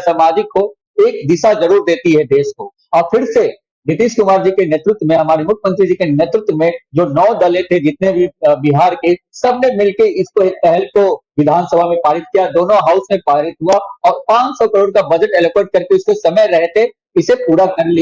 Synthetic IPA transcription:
saːmaːd͡ʒɪkːo | eːk̚d̪ɪʃazɐɾuːɾd̪eːt̪iɦɛd̪eːʃko | ɔːɾfʰɪɾse | bɾɪt̪iːʃkʊmaːɾd͡ʒikeneːt̪ɾʊt̪wəmẽɦɐmaːɾimʊkʰjəmə̃nt̪ɾid͡ʒikeneːt̪ɾʊt̪wəmẽd͡ʒoːnɔːd̪ɐlet̪ʰed͡ʒɪt̪̚nebʱibɪɦaːɾkesɐbnemɪlkeɪskopɛɦɛlkoʋɪd̪ʱaːnsəbʱamẽpaːɾɪt̪̚kijad̪oːnõɦaːʊsmẽpaːɾɪt̪ɦuaɔːɾpãːt͡ʃsɔkɐɾoːɽkabɐd͡ʒəʈɛloːkʋeːʈ̚kɐɾkeʊskosɐməjɾɛɦt̪e | ɪsepuːɾakɐɾli

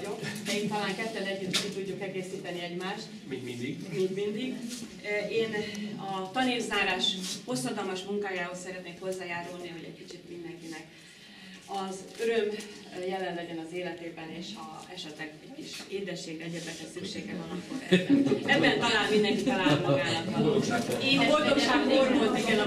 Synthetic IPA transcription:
ɟo̞kd̪ɛiːnt̪ɒlaːŋkɛt̪ːɛlɛɟːyt̪ːkit̪uɟːukɛɡeːsiːt̪ɛniɛɟmaːʃt̪ | iid̪imiːnd̪mind̪iɡ | eːnɒt̪ɒniːlzaːɾaːʃho̞sːɒd̪ɒlmɒʃmuŋkaːjaːɦosɛɾɛt̪neːkho̞zːaːjaːɾulniɦo̞ɟɛ̰ɟkit͡ʃit̪mind̪ɛŋkinɛk | ɒzøɾøm | jɛlɛnlɛɟɛnɒzeːlɛt̪eːbɛneːʃɒ̰ɛʃɛt̪lɛɡɛckiʃeːd̪ɛʃːeːɡrɛɟɛd̪ɛkɛsykʃeːɡɛɦɒnɒkfoɡɛ̰ɛɛbːɛnt̪ɒlaːlmind̪ɛŋkit̪ɒlaːmɒɡaːnɒt̪oeːnvolt̪okaɡɦoɾmolt̪iɡɛn

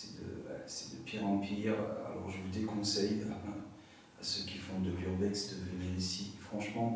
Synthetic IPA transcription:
sɛd̪ə̰ɛ̰sɛ̥d̪əpʰiʁɑ̃piʁa̰lɔ̰ʁʒəvud̪ekɔ̃sɛja̰ | asøkʲifɔ̃d̪əlyʁbɛt̪sd̪əvəniʁisifχɑ̃ʃmɑ̃

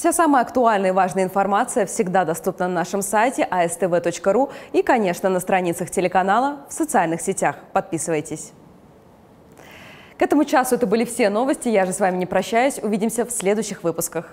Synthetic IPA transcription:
fsʲasaməjəɐkt̪ʊalʲnəjəvaʐnəjəɪnfɐrmat̪sɨjəfsʲɪɡd̪ad̪ɐst̪upnənɐnaʂɨmsajtʲɪʔɐɛst̪ɛvɛt̪o̞t͡ɕkəɾuikɐnʲe̞ʂnənəst̪ɾɐnʲit̪səxtʲɪlʲɪkɐnalˠəfsət̪sɨalʲnɨxsʲɪtʲaxpɐt̪̚pʲisɨvəjtʲɪsʲ | kɛt̪əmʊt͡ɕasʊɛt̪əbɨlʲɪfsʲeno̞vəsʲtʲɪjaʐɨsvamʲɪnʲɪpɾɐɕːæjʊsʲʊvʲidʲɪmsʲəfsʲlʲed̪ʊjɕːɪxvɨpʊskəx

